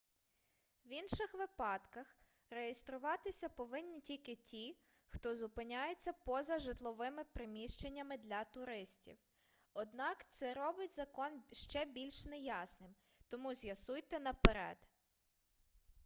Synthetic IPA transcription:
ʋinʃɪxʋɪpɑd̪kɐx | rejest̪ɾʊʋɑt̪ɪsʲɐpɔʋɪnʲːitʲilʲkɪtʲi | xt̪ɔzʊpɪnʲajet͡sʲːɐpɔzɐʒɪt̪lˠɔʋɪmɪpɾɪmʲiʃt͡ʃenʲːɐmɪd̪lʲɐt̪ʊɾɪsʲtʲḭw | ɔd̪nɑkt̪sɛɾɔbɪtʲzɐkɔnʃt͡ʃɛbʲilʲʃnɛjɑsnɪm | t̪ɔmuzʲjɐsujt̪ɛnɐpeɾɛ̰d̪̥

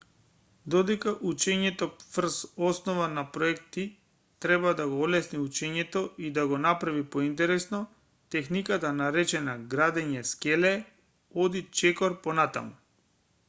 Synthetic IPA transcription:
d̪ɔd̪ɛkaʔut͡ʃɛɲɛt̪ɔfr̩sɔsnɔvanapɾɔɛkt̪i | t̪ɾɛbad̪aɡɔɔlɛsniut͡ʃɛɲɛt̪ɔid̪aɡɔnapɾavipoint̪̬ɛɾɛsnɔ | t̪ɛxnikat̪anaɾɛt͡ʃɛnaɡɾad̪ɛɲɛskɛlɛ | ɔd̪it͡ʃɛkɔɾpɔnat̪a̰mu

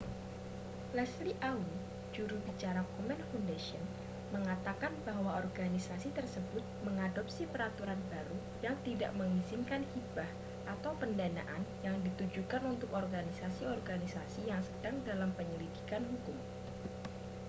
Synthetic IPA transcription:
lɛsliʔawu | d͡ʒuɾubit͡ʃaɾakɔmɛnfundaʃiɔn | məŋat̪akanbaɦwaɔrɡanisasit̪ərsəbʊt̪̚məŋadɔp̚sipəɾat̪uɾanbaɾu | jaŋt̪ida̰ʔməŋizinkanhibah | ʔat̪awpəndana̰ʔanjaŋdit̪ud͡ʒukanunt̪ʊkɔrɡanisasiɔrɡanisasijaŋsəd̥aŋdalampəɲəlidikanɦukʊm

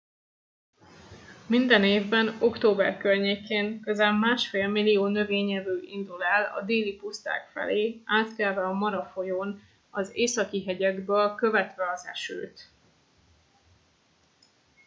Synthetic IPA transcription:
mind̪ɛneːvbɛno̞kt̪oːbɛ̰rkørɲeːkeːnikøzaːmmaːʃfeːlmilːijoːnø̞veːɲɛvøːʔind̪ulɛlɒ̰d̪eːlipust̪a̰ːkfɛ̰leːaːt̪kɛlvɛɒmɒɾɒfo̞joːn | ɒzeːsɒkiɦɛɟɛɡbøːlkø̞vɛt̪ʋɛɒzɛ̰ʃø̰ːt̪

